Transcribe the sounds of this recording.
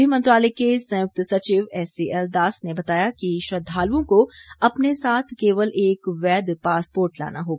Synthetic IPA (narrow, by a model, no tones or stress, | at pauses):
imɐ̃nt̪ɾaːlekesɐ̃jʊk̚t̪sɐt͡ʃiːʋɛːsiɛld̪aːsnebɐt̪aːjakiʃɾɐd̪ʱːaːlõkoɐpnesaːt̪ʰkeːʋəleːkʋɛːd̪paːspoːɾʈla̰ːnaɦoː